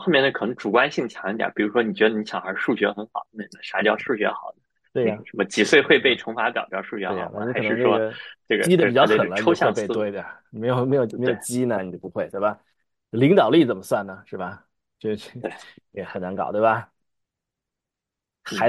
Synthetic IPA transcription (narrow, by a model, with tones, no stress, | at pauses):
xo˥˧mjɛ˥˧n˥˩kʰnɤ˧˥ŋʈ͡ʂu˨˩kwa˥nɕi˥˩ŋə˩t͡ɕʰjɑ˨˩˦ŋ˥˩d̪ja̰˨˩˥pi˨˩ɻu˧˥ʂwɔ˥ni˨˩t͡ɕɥɛ˧˥d̪ə˧ni˧˥ɕʰjɑ̰˨˩ŋxə˞˧˥ɻ̩˥˧˩ʂu˥˩ɕɥɛ˧˥xə˧˥nxɑ˨˩˦n˥˩ni˨˩d̪ə˧˦ʂa˧˥t͡ɕjɑ˥˧ʊʂu˥˩ɕɥɛ̰˧˥xɑ˨˩ʊd̪ə˦wʂə˧˥mə˧t͡ɕi˧˥swe˥˧ɪxwe˥˧ɪpe˥˩ɪʈ͡ʂʰʊ˧˥ŋfa˧˥pjɑ̰˨˩ʊt͡ɕ̪jɑ˥˧˥ʊʂu˥˩ɕɥɛ˧˥e˥˩ɑ˨˩na˧˩i˥kɤ˨˩n̩˧˥ŋʈ͡ʂwɔ˥˩ʈ͡ʂɤ˥˩ɡə̰˨t͡ɕi˥d̪ə˧˩i˨˩jɑ˥ʊ˧˩˥xə˨˩lə˧˥o˥ɕjɑ˥˧pe˧˥twe˥˧d̪ə˨˩˨me˧˥ɪjo˨˩ʊme˧˥ɪjo˨˩ʊme˧˥o˨˩t͡ɕi˥nə˨ni˨˩t͡ɕjo˥˩pu˧˥xwe˥˩ɪt̪we˥˩bɐ˩ | li˧˥ŋt̪ɑ˨˩ʊli˥˩t͡sə˨˩nmə˦swa˥˩nnə˩ʂɻ̩˥˩bɐ˩ | t͡ɕjo˥˧˥e˥˩jɛ˧˩xə˨˩na˧˥ŋkɑ˨˩ʊt̪wbɐ˩ | xa˧˥